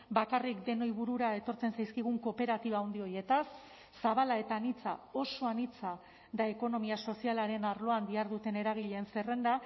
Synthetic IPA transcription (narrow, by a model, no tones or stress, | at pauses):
bakarikd̪e̞no̞jβuɾuɾae̞t̪o̞ɾt͡se̞nsajskiɣ̞uŋko̞pe̞ɾat̪iβaːuwnd̪io̞je̞t̪asː | aβalae̞t̪anit͡sao̞so̞anit͡sa | d̪ae̞ko̞no̞miaso̞sialaɾe̞naɾlo̞and̪iaɾðut̪e̞ne̞ɾaɣ̞iʎe̞nsere̞nd̪a